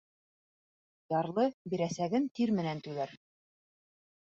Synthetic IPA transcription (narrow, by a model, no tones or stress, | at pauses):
jɑɾlˠɤbiɾæsæɡɘnt̪iɾmɘ̆nænt̪ʉlæɾ